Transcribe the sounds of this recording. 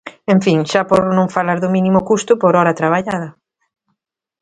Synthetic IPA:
ẽɱfiŋʃapoɾnõŋfalaɾðʊminimʊkust̪ʊpoɾɔɾat̪ɾaβ̞aʎað̞ɐ

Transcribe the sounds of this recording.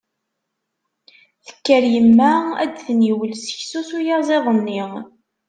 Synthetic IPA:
θə̥kːəɾjəmːææ̰d̪θəniwəlsəçsusujɑzˤeðˤənːi

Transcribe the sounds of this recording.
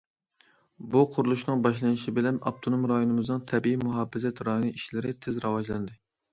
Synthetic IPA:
buqʰʊɾulˠuʃnɨŋbɑʃlˠɑnɨʃibɪlɛnɑ̰p̚t̪ʰonomɾɑjonɨmɨznɨŋt̪ʰɛbiimuɦɑːbɪzɛt̪ɾɑjonɨʔiʃlɪɾɪt̪ʰɪzɾɑwɑʒlˠɑnd̪ɪ

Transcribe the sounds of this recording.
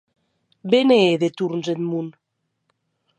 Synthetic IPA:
beneːðet̪uɾnzet̪mun

